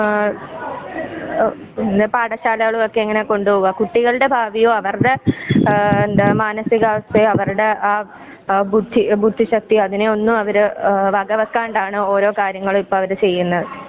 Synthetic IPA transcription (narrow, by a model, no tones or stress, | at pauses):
end̪epaːɽɐɕaːlɐɣɐɭumo̞kːe̞eŋːɐneko̞ɳɖupːɣakuʈːiɣɐɭɨɽe̞bʱaːʋijoːɐʋɐrɽe | nd̪ɐmaːnɐsiɣaːʋɐsejɐʋɐruɽe̞aː | bud̪ʱːibʱud̪ʱːiɕɐk̚t̪iɐðineo̞nːumɐʋɐɾɨʋɐɡɐʋɐkːaːɳɖaːɳɨo̞ːɾo̞ːkaːɾjɐŋːɐɭumipːoɐʋɐɾɨt͡ɕe̞jːunːɐðɨ